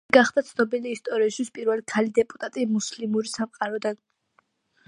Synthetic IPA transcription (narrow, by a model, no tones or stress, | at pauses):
ɡaχd̪at̪sʰnɔbiliːst̪ʼɔɾiasʃwispʼiɾvɛlikʰalid̪ɛpʼut̪ʼat̪ʼimuslimuɾisamqʼaɾɔd̪an